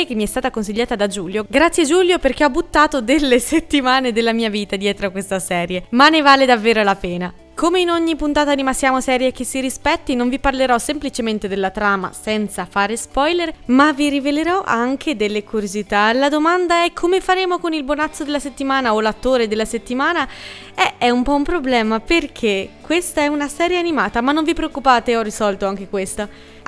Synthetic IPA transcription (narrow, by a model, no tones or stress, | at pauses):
ek̟emːiɛst̪aːt̪akonsiʎːaːt̪ad̪ad͡ʒuːljoɡɾat̪sːjed͡ʒuljoperk̟eɔbːut̪ːaːt̪od̪elːeset̪ːimaːned̪elːamiːaviːt̪ad̪jɛːt̪ɾoakwest̪asɛːɾjemanːevaːled̪avːeːɾolapɛːna | komeinoɲːipunt̪aːt̪animasjaːmosɛːɾjek̟esːiɾispɛt̪ːinoɱviparleɾɔsemplit͡ʃement̪ed̪elːat̪ɾaːma̰sɛnt̪safaːɾespɔjleɾmavːiriveleɾɔʔaŋkʰed̪elːekuɾjozit̪alad̪omand̪aɛkʰːomefaɾeːmokonilbonat̪sːod̪elːaset̪ːimaːnaolat̪ːoːɾed̪elːaset̪ːimaːna | ɛɛumpɔumpɾoblɛːmaperkʰekwest̪aɛunasɛːɾjeanimaːt̪amanːoɱvipɾeokːupaːt̪eɔrːisɔlt̪oaŋk̟ekwest̪a